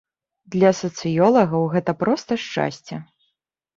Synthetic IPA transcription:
d̪lʲɐsɐt̪sɨjɔlˠɐɣɐwɣɛt̪ɐpɾɔst̪ɐʂt͡ʂa̰sʲt͡sʲɛ

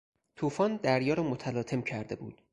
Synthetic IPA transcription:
t̪ʰuːfɒːnd̪æɾjɒːɾɒːmot̪ʰælɒːt̪ʰe̞mcʰæɾd̪e̞bṵːd̪̥

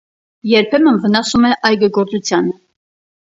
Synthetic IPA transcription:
jɛɾpʰɛmənvənɑsumɛʔɑjɡəɡɔɾt͡sut͡sʰjɑnə

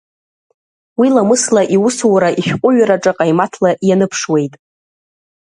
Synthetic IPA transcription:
wilamɨslaʔiwʊsuwɾaʔiʃᶣqʷʼʊɥaɾaʈ͡ʂʼaqʼajmatʰlaʔjanɨpʰʂwe̞jtʼ

